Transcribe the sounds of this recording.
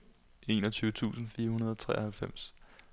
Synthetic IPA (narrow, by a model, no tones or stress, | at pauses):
e̝ːnɒt͡sʰyːʊət͡sʰṵːsn̩fiːɐhunɐð̞ˠɒ̽t͡sʰʁɛ̰ːɐhælfem̰s